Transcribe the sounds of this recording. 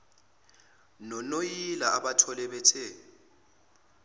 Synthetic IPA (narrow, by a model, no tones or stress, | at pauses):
nɔnojilaʔaɓatʰɔlɛɓɛtʰɛ